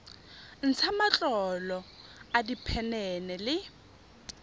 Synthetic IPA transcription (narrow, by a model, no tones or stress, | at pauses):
n̩t͡sʰamat͡ɬʼɔlɔadipʰɛnɛnɛlɪ